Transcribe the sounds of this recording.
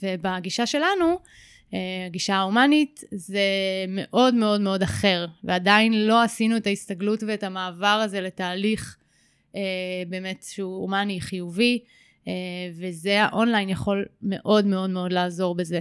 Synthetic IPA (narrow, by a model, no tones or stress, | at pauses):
vebaɡiʃaʃe̞lanu | eaɡiʃaaumanitzeme̞ʔo̞dme̞o̞dme̞o̞daχe̞ʁveadainlo̞asinuetaistaɡlutveetamaːvaʁaze̞le̞taːliχ | ebe̞ːme̞tʃeuumaniχijuvi | evezeaʔo̞nlajnjaχo̞lme̞̰ʔo̞dme̞o̞dme̞o̞dlaːzo̞ʁbeze̞